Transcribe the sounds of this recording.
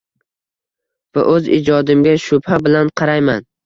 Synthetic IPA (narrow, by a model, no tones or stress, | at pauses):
va̰ʔɵzɪ̰d͡ʒɒd̪ɪmɡʲaʃʊbhabɪlanqʰɑɾajman